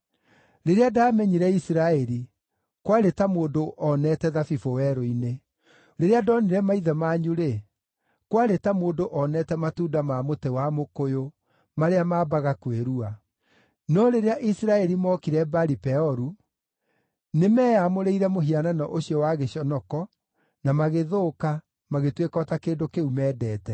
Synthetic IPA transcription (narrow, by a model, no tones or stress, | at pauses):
ɾeɾeadaːmɛɲiɾɛisiɾaɛɾi | kwaɾetamoːndoʔɔnɛtɛðafifowɛɾoine | ɾeɾeadɔniɾɛmaiðɛmaːɲuɾe | kwaɾetamoːndoʔɔnɛtɛmatuːdamamotɛwamokojo | maɾeamaːbaɣakweɾua | nɔɾeɾeaʔisɾaɛɾimɔkiɾɛbaɾipɛɔɾu | nemɛːjamoɾeiɾɛmoɦiananɔʔoɕiɔwaɣeɕɔnɔkɔ | namaɣeðoːka | maɣetwekɔːtakeːndokeumɛːdɛːtɛ